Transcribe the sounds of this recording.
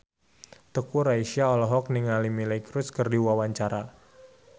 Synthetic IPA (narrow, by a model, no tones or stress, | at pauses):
t̪əkuɾaiʃiaɔlɔɦɔk̚niŋalimilakɾuskərdiwawaɲt͡ʃaɾa